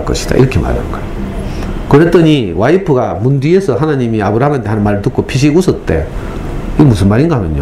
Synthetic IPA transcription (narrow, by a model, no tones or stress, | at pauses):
ɭk͈ʌ̰ɕʰi̥d̥a̰ʔḭɾʌkʰema̰ɾa̰nnɡʌo | kɯɾet͈ʌɲiwaipʰɯɡamundiesʰʌɦanaɲimiabɯɾaɦamantʰeɦanɯnmaɾɯɭtɯk͈ʰopʰiɕ̬iɡusʰʌt͈e̞̰ | iɡemusʰɯnmaɾinɡaɦamjʌ̰ɲjo